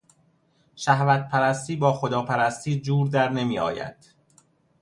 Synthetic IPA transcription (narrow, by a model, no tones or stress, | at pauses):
ʃæhvæt̪̚pʰæɾæst̪iːbɒːxod̪ɒːpʰæɾæst̪iːd͡ʒuːɾd̪æɾne̞miːɒ̰ːjæ̰d̪̥